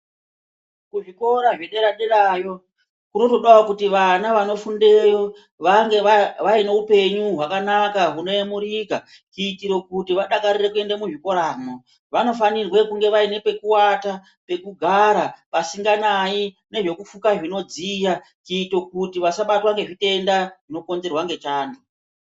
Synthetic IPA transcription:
kuʐiko̞ɾaʐeɗe̞ɾaɗerajo̞ | kuno̞to̞ɗawakutiʋanaʋano̞funde̞jo̞ | ʋaŋɡeʋaine̞upe̞ɲuɦwakanakaɦuno̞emuɾika | kuitiɾo̞kutiʋaɗakaɾirekue̞ndamuʐiko̞ɾaːmo | ʋano̞fanirwe̞kuŋɡe̞ʋaine̞pe̞kuwata | pe̞kuɡʱaɾapasiŋɡanai | ne̞ʐe̞kufukaʐino̞d͡zija | t͡ʃiːto̞kutiʋasaɓatoʋaŋɡe̞ʐite̞ndaʐino̞ko̞nze̞rwaŋɡe̞t͡ʃaːno

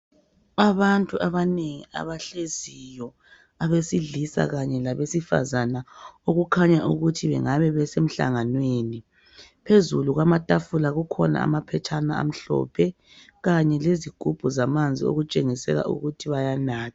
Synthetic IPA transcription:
aβantʼuʔaβaneŋia̰βaɬezijɔ | aβesiɮisa̰ɣaɲɛlaβesifa̰zanaoɣukʰaɲaʔuɣutʰiβɛ̰ŋaβɛβɛsem̩ɬa̰ŋanweːni | pʰezuluɣwamatʼafulaɣukʰɔna̰a̰mapʰɛtʰanaa̰m̩ɬɔ̰pʰɛ | ɣaɲɛleziɡ̥ʱub̥ʱuzamand͡zʱio̰ɣut͡ʃʼeŋisɛ̰ɣa̰ʔṵɣutʰiβajanaːtʰḁ

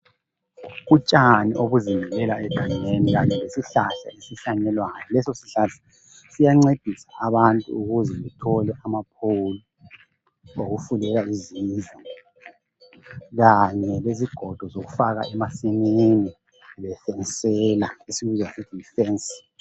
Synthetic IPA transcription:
ɣut͡ʃʼanḭʔoɣuzimɛlɛlaɛɡ̥ʱaŋeniɣaɲɛlesiɬaɬa̰esiɬaɲɛlwajɔlɛsɔsi̥ɬatʰi̥ | sijaŋ͡ǀed̥ʱisaʔːβantʼṵuɣuzɛβɛtʰɔlɛʔamap̚ʰolu | oɣufulɛlaizizɔ | ɣaɲɛβeziɡ̥ʱɔd̥ʱɔzoɣufaɣa̰ɛmasinini | βɛfɛnsɛlaisiβizwasid̥ʱifɛns

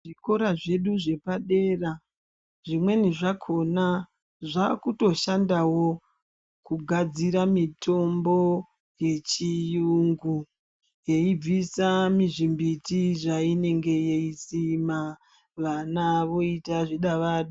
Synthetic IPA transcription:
ʐiko̞ɾaʐe̞ɗuʐe̞paɗe̞ːra | ʐimwe̞niʐakʰo̞na | ʐakuto̞ʃandawo̞ | kuɡʱad͡ziɾamitʰo̞mbo̞ | je̞t͡ʃijuŋɡu | je̞ib͡visamiʐimbitiʐaine̞ŋɡe̞je̞isima | ʋanaʋo̞itaʐiɗaʋaɗu

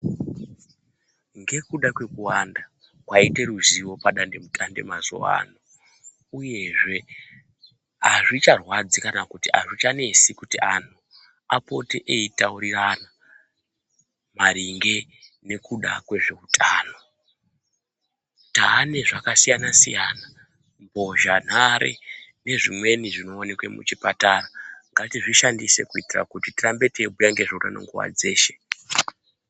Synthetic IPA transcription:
ŋɡe̞kuɗakwe̞kuwanda | kwaite̞ɾuziwo̞paɗande̞mutʼande̞̰mazo̰wa̰no | uje̞ʐe̞ | ɦaʐit͡ʃarwad͡zikanakutiaʐit͡ʃane̞sikutian̤u | apo̞teʔeitauɾirana | maɾiŋɡe̞ | ne̞kuɗakwe̞ʐe̞utʰaːno̞ | taːne̞ʐakasijanasḭjaːna | mbo̞ʒan̤aɾḛ | ne̞ʐimwe̞niʐino̞ːnekwemṵt͡ʃipataːraŋɡatiʐiʃandise̞kuitira̰kutitirambe̞tebujaŋɡe̞ʐoura̰no̰ŋɡuʋa̰d͡ze̞ːʃe̞̥

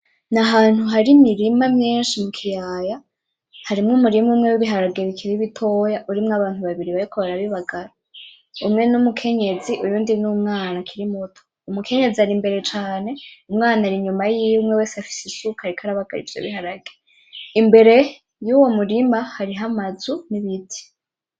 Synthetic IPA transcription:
naɦaːn̥huɦaɾimiɾimamɲiːnʃimukʰijaːja | haɾimŋumuɾimumŋewiβiɦaɾaɡe̞βikʰiɾiβitʰo̞ːjaʔuɾimŋaβaːnhuβaβiɾiβaɾikoβaɾaβiβaɡaɾa | umŋe̞numukʰe̞ɲe̞ziʔujuːndinumŋaːnakʰiɾimotʰo̥ | umukʰe̞ɲe̞zihaɾimbe̞ɾe̞t͡ʃaːne̞umŋaːnaɾiɲumajiːjmŋewe̞ːsafi̥sisukaɾikʰaɾaβaɡ̥a̰ɾḭvjo̰βiɦaɾaɡ̥e | imbe̞ɾe̞ | juwo̞muɾimahaɾiɦamazuniβitʰi̥

